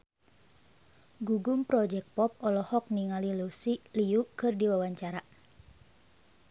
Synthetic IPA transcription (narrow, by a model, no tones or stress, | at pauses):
ɡuɡumpɾɔd͡ʒɛk̚pɔp̚ɔlɔhɔk̚niŋalilusiliukɨrdiwawaɲt͡ʃaɾa